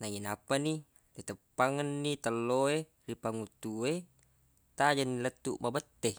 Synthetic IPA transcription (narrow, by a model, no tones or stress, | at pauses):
naŋinapːani | lit̪əpːaŋanːit̪alːoe | ripaŋut̪ːue | t̪ad͡ʒanːilət̪ːumabət̪ːe